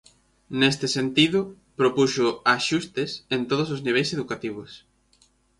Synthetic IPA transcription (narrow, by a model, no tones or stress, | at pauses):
nest̪ɪsent̪iðʊ | pɾopuʃʊaʃust̪esent̪oð̞os̬ozniβ̞ejseðukat̪iβ̞os